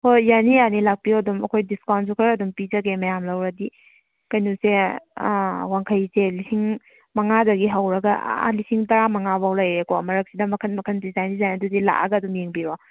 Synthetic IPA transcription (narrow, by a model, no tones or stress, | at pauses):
hojanijanilak̚pioɐdumɐ̰kʰojdiskawnsukʰɐɾɐdumpid͡ʒɐɡemɐjamlɐwɾɐdi | kɐjnuse | waŋkʰɐjselisiŋ | mɐŋadɐɡiɦɐwɾɐɡɐ̰lisiŋtɐɾamɐŋabawlajɾekɔmɐɾɐk̚sidɐmɐkʰɐnmɐkʰɐndizajnizajnɐduzila̰ʔɐ̰ɡɐɐdumjeŋbiɾɔ